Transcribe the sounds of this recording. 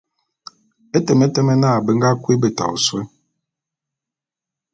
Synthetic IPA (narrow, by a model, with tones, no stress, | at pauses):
ɛ˦tɛ˨mɛ˦tɛ˦mɛ˦na˦˨bə˦ŋɡa˦kʷi˦bə˦ta̰˨ṵ˨swɛ˦